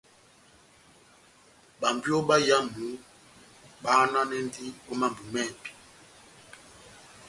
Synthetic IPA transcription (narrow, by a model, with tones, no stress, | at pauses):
ba˨m˨bjo˦ɓa˦ja˦mu˨˦ | ɓa˦na˦nɛ˦ndi˦o˦ma˦m˨bu˨mɛ˦˨bi̥˨